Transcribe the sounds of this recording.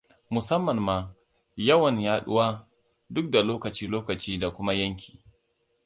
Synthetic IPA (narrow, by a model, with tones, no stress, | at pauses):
mʊ˨sɐ˦mːɐ˨mːaː˨ | jɐ˦wɐ˨ɲjaː˦ɗʊ̰˦waː˦ | dʊ˦k̚da˨loː˦kɐ˨t͡ʃiː˦loː˦kɐ˨t͡ʃiː˦da˨kʷʊ˦ma˦jɐ˦ŋkʲʰi̥ː˨